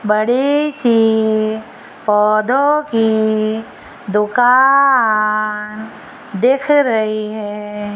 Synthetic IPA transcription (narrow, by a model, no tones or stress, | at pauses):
bɐɽisi | pɔːd̪ʱõki | d̪ʊkaː | n | d̪eːkʰɾɐɦiɦɛː